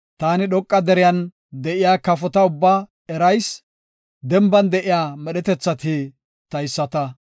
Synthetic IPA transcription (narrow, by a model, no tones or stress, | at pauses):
t̪aːnɪɗɔkʼːɐd̪ɛɾɪjɐn | d̪ɛʔɪjaːkɐfɔt̪ɐʊbːa | ɛɾɐjs | d̪ɛmbɐnd̪ɛʔɪjaːmɛɗɛt̪ɛt͡sːɐt̪i | t̪ɐjɪsːɐt̪ɐ